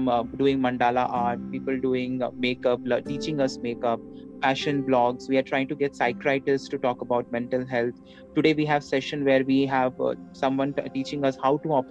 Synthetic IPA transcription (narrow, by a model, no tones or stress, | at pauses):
mɖuːɪ̃ŋmɐ̃ɳɖaːlaʔaːɾʈ̚piːpəlɖuːɪ̃ŋmeːkʌplʈiːt͡ʃɪ̃ŋʌsmeːkʌp̚fæʃə̃nblɔːɡsʋiːaɾʈɾaɪɪ̃ŋʈuɡɛʈsaɪkɾaɪʈəsʈuʈɔːkəbaʊʈ̚mɛ̃ɳʈəlɦɛlt̪ʰ | ʈuɖeːʋiːɦæʋsɛʃə̃nʋeɾʋiːɦæʋ | sʌ̃mʋʌ̃nʈiːt͡ʃɪ̃ŋʌshaʊʈuɔp